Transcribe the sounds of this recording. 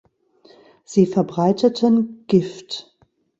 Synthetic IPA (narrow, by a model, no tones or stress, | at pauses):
z̥iːfɛɐbʁaɪtʰətʰənɡ̥ɪft